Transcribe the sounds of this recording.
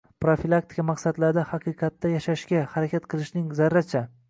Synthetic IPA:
pɾofilˠak̚t̪ʰɪ̥kʰamaqsad̪laɾd̪ahɑqʰɨqʰɑt̪ːajaʃaʃkʲahaɾakʲʰat̪qʰɨlˠɪʃnɪŋzaɾːat͡ʃʰa

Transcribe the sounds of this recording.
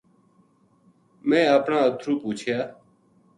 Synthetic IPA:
mẽːəːpnãːət̪ʰɾuːpuːt͡ʃʰjaː

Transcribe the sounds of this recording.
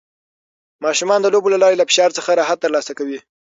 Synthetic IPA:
mɑʃumɑnd̪əlobolalɑɾelafɪ̥ʃɑɾt͡səxaɾɑɦat̪ːəɾlɑsakawi

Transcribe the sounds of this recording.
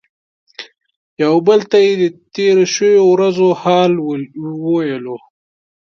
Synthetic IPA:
jawbəlt̪ajed̪ət̪eɾoʃəwowɾazohɑːlwəwjelo

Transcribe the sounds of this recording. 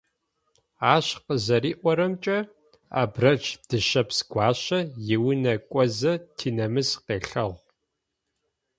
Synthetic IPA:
aːɕqəzɐriːʔʷɔɾɐmt͡ʃʼɐ | a̰ːbrɐt͡ʃd̥ɨʃɐpsɡ̥ʷɑːɕɐjɪwʊnɐkʷʼɔzɐtʰiːnɐmɨsqeːɬɐʁ

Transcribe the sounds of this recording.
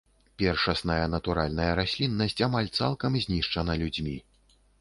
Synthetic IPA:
pʲɛrʂɐsnɐjɐnɐt̪uɾalʲnɐjɐɾasʲlʲinːɐsʲt͡sʲamalʲt̪sa̰lˠkɐmzʲnʲiʂt͡ʂɐnɐlʲud͡zʲmʲi

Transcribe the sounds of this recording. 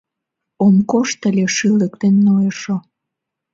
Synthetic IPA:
omkoʃt̪əlʲeʃɨlək̚t̪enːojəʃo

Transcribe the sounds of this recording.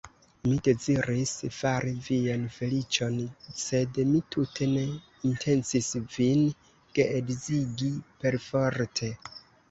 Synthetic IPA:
mide̞ziɾisfaɾivianfe̞lit͡ʃo̞nse̞dmitʰutʰe̞ne̞ | intʰe̞nsisvin | ke̞ʔeɡziɡipe̞ɾfoɾtʰe̞

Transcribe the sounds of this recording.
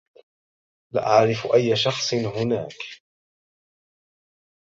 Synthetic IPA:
la̰ːʔaʕɾɪfʔajːaʃɑxsˤɨnɦʊna̰ːk

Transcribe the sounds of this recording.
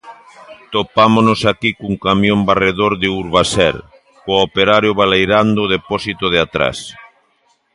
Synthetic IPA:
t̪opamonosakikuŋkamjõmbareðoɾðɪuɾβasɛ̰ɾ | koopeɾaɾjoβ̞alejɾand̪oðepɔsit̪oð̞ɪat̪ɾa̰s

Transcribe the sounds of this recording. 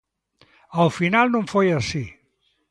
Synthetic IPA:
əlˠfinalˠnoɱfojəsi

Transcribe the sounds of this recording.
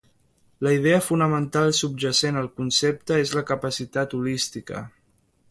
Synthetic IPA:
ləið̞eəfunəmənt̪alˠsub̚ʒəsenəlˠkunsep̚t̪əezləkəpəsit̪at̪ulist̪ikə̰

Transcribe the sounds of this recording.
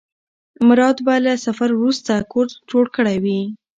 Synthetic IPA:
mɾɑd̪balasafaɾwɾust̪akoɾd͡ʒoɽkəɽajwi

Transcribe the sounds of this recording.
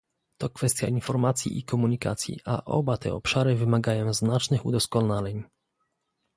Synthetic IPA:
t̪ɔkfɛst̪ʲja̰infɔɾmat̪sʲjḭʔikɔmuɲika̰t̪sʲjḭʔa̰ʔɔ̰bat̪ɛ̰ɔpʂaɾɘvɘmaɡajɔ̃w̃znat͡ʂnɘxṵd̪ɔskɔnalɛɲ

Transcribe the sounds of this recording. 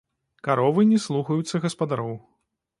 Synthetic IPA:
kaɾɔvɨnʲɛslˠuxɐjut̪sːɐɣɐspɐd̪aɾɔw

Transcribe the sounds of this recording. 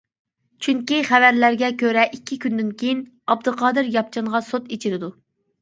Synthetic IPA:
t͡ʃʰyŋkʲiχævæɾlæɾɡʲɛkʲʰøɾɛʔikʲʰːikʲynd̪ɪnkʲʰejin | ɑb̚d̪ɨqʰɑːd̪ɨɾjɑp̚t͡ʃʰɑnʁɑsot̪et͡ʃʰiɾɪd̪u

